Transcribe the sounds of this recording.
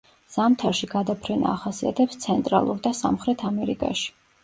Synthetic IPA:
z̥amt̪ʰaɾʃiɡad̪apʰɾɛna̰ːχasia̰t̪ʰɛpst̪sʰɛnt̪ʼɾa̰lˠuɾd̪asamχɾɛt̪ʰamɛɾikʼa̰ʃi̥

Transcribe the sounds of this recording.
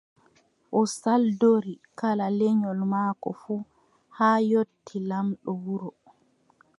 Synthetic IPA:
ʔɔsaldoɾikalalɛɲɔlmaːkɔ̰fuː | haːjotʰːilamɗɔwuɾɔ

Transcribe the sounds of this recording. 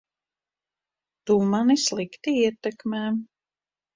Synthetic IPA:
t̪umanislˠikt̪iiɛt̪ɛkmɛːm

